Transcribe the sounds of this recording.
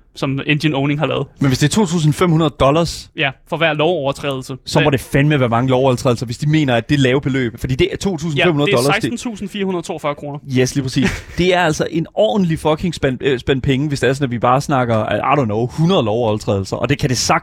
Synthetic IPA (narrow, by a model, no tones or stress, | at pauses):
sɒ̽mend̥jənoʊne̝ŋhɑ̈lɛ̰ːð̞̩ˠmenʋe̝sd̥e̝æɐt͡sʰo̝̰ːt͡sʰṵːs̬n̩fem̰hunɐðˠd̥ɒ̽lɐsjæfɒ̽ʋæɐ̰lɒʊɒʊɐt͡sʰʁɛ̰ːðˠl̩səsɒ̽ɒɾ̥e̝fænmeʋæɐmɑ̈ŋəlɒʊɒlˠt͡sʰʁɛ̰ðl̩sɐʋe̝sd̥ime̝̰ːnɐæd̥e̝lɛːʊb̥e̝lø̰ːb̥fɒ̽d̥ḭːde̝ʔæɐt͡sʰo̝̰ːt͡sʰṵːs̬n̩emhunɐ̥ɒlɐssn̩t͡sʰṵːsn̩fiːɐhunɐð̩ˠt͡sʰo̝̰ːɐfɶɐkʰʁo̝ːnɐjesliːpʰʁɐsḭːssd̥e̝æɐæl̰sɒ̽ʔe̝nɒ̰̥ːn̩lifɒ̽kʰe̝ŋsb̥æn̰sb̥en̰pʰeŋəʋe̝sd̥eɐsɔ̽næʋib̥ɑ̈ːsnɑ̈ɡ̥ɐʔɑ̈ɾɒnɒʊhunɐð̞ˠlɒʊɒlˠt͡sʰʁɛ̰ːðˠl̩sɐʔɒ̽d̥e̝kʰæd̥e̝sɑ̈ɡ̥̚